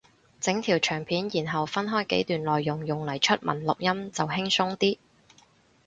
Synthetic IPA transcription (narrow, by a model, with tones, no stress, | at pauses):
t͡sɪ˨˥ŋt̪ʰiː˨˩wt͡ʃʰœː˨˩ŋpʰiː˨˥njiː˨˩nɦɐ˨wfɐ˥nɦɔː˥jke˨˥jt̪yː˨nlɔː˨jːʊ˨ŋjʊ˨ŋlɐ˨˩jt͡ʃʰɵ˥t̚mɐ̰˨˩nlʊ˨k̚jɐ˥mt͡sɐ˨whɪ˥ŋsʊ˥ŋt̪iː˥